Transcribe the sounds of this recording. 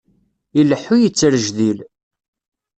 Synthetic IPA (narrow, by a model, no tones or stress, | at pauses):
iləħːujət͡sːəɾʒðil